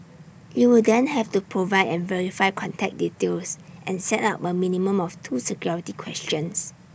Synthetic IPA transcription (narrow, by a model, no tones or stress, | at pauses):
juwudɛ̃nhɛftupʰɹovaɪdɛ̃nvɛɹifaɪkʰɔ̃ntʰɛk̚ditelsʔɛ̃nsɛtaʊpəminimə̃mɔftʰusɛkjɔɹitikʰwɛstjə̃ns